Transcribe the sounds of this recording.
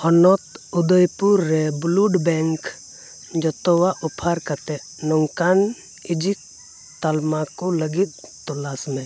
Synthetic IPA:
ɔnɔt̪ud̪əjpuɾːɛbluɖbɛŋk | d͡ʒɔt̪ɔwaʔupʰaɾkat̪ɛ | nɔŋkan | id͡ʒik̚ | t̪almakoləɡit̪̚t̪ɔlasmɛ̃

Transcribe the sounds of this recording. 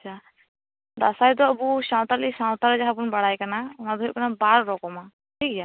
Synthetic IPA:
at͡ʃʰa | d̪asajd̪ɔəbusãw̃t̪aɾlisaw̃t̪aɾɛd͡ʒaɦabunbaɽajkanaɔnad̪ɔɦiʔ̚kanabaɾɾɔkɔma | ʈʰikja

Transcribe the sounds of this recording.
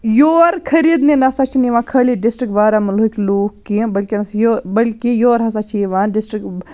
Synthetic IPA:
joːɾkʰɐɾiːd̪ninɐsat͡ʃʰiniʋãːkʰɐliɖisʈɾik̚baːɾaːmɐlːkʲloːkːibɐlkinɐsjobɐlkijoːɾɦɐs̬aːt͡ʃʰiʋaːnɖɪsʈɾik

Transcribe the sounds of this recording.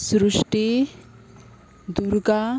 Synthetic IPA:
sɾuʂʈi | d̪uɾɡa

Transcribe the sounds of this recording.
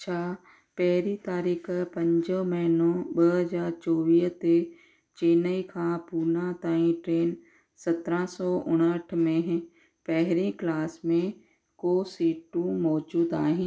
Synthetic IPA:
ʃʰaː | pɛɦɾit̪aːɾiːkpɐ̃ɲd͡ʒomɐɦnõɓəɦɐzaːɾt͡ʃɔːʋiːɦt̪e | t͡ʃeːnəikʰãpuːɾnat̪aːĩʈɾeːn | sɐt̪ɾãsɔːʊɽ̃əʈʰmẽɦ | pɛɦɾiklaːsmẽ | koːsiːʈũmɔːd͡ʒuːd̪aːɦĩː

